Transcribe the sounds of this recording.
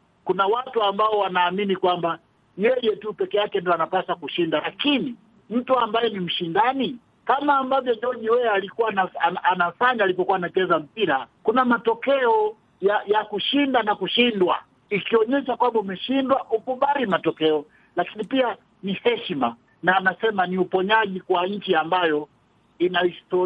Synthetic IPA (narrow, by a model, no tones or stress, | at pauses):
kunawatuambaɔwanaːminikwamba | jɛjɛtupɛkɛjakɛndiɔanapasakuʃindalakini | m̩tuambajɛnim̩ʃindani | kamaːmbavjɔʄɔɲiwɛɛalikuwanaaanafaɲaːlipɔkuwaːnat͡ʃɛzam̩piɾakunamatɔkɛɔ | jajakuʃindanakuʃindwa̰ | ikiɔɲɛʃakwambaumɛʃindwaʔukuɓalimatɔkɛɔ | lakinipia | nihɛʃma̰ | naːnasɛmaniupɔɲaʄikwaɲ̩t͡ʃiambajɔ | inaistɔ